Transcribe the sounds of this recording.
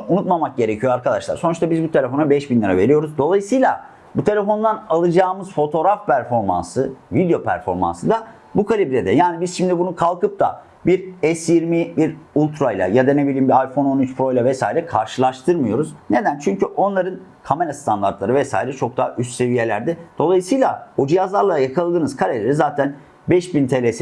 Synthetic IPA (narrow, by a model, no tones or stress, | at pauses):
unut̪mamak̚ɟe̞ɾecʰijoaɾkad̪aʃlˠa̰ɾso̞nuʃt̪abizbut̪ʰe̞lʲefo̞nabɛʃbinlʲaɾave̞ɾijo̞ɾuzd̪o̞lˠajɯsɯjlˠa | but̪ʰe̞lʲefo̞nd̪analˠɯd͡ʒaːmɯzfo̞t̪ʰo̞ɾafpʰæɾfo̞ɾma̰nsɯvid̪jo̞pʰæ̰ɾfo̞ɾma̰nsɯd̪a | bukʰalʲibɾed̪ɛjaːnibizʃimd̪ibunukʰalˠkɯp̚d̪ʰa̰ | biɾɛsjiɾmibiɾulʲˠt̪ʰɾajlʲˠa̰jad̪anebilʲiːmbiajfo̞no̞nyt͡ʃpɾo̞jlʲavɛsaːiɾɛkʰaɾʃɯlˠaʃt̪ʰɯɾmɯjo̞ɾuz̥ne̞d̪ænt͡ʃʰyɲcyʔo̞nlˠaɾɯnkʰame̞ɾast̪ʰand̪aɾt̪lˠaɾɯvɛsaːiɾɛt͡ʃʰo̞k̚d̪aɦaʔyst̪se̞vije̞lʲæ̰ɾd̪ɪd̪̥o̞lˠajɯsɯjlˠaod͡ʒijazlˠaɾlˠajakʰalˠɯd̪ɯːnɯzkʰaɾelʲeɾizaːt̪ʰæn | bɛʃbint̪ʰe̞lʲes